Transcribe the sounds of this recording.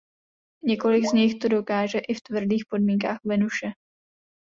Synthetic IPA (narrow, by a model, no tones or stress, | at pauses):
ɲɛko̞lɪɡzɲɪxt̪odo̞kaːʒɛʔɪft̪vr̩diːxpo̞dmiːŋkaːxvɛnuʃɛ